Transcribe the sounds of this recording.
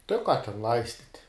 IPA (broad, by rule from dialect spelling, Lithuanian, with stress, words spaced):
tɐɪ ʊ ˈkɑː tʲɛn ˈlˠɐɪsʲtʲɪtʲ